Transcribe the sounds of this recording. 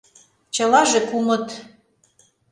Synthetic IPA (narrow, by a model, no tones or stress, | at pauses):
t͡ɕɤ̆lɑʒĕkumɤ̆t̪